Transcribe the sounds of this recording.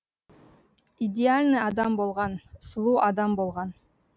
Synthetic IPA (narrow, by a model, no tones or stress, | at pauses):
idʲɪalʲnɨjɑd̪ɑmbulˠʁɑnslˠuʔɑd̪ɑmbulˠʁɑn